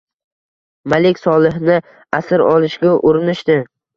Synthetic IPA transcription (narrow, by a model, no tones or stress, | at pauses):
malɪkʲsɒlˠɪɦnɪ | asɪɾɒlˠɪʃɡʲaʔʊɾɪnɪʃt̪ɪ